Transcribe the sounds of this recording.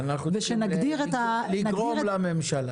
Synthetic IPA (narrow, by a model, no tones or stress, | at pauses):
naχuzeʃenaɡd̪iʁet̪alinaɡʁomelamemʃala